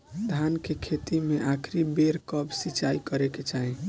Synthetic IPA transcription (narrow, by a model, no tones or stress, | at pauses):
d̪ʱankekʰet̪imeʔakʰɾibeɾkəbsit͡ʃaikəɾeket͡ʃaɦẽ